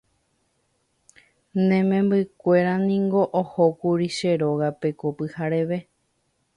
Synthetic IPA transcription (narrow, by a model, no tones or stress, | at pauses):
nẽmẽmbɨkʷe̞ɾanĩŋɡo̞ʔohokuɾiʃe̞ɾoɣape̞kopɨhaɾeʋe̞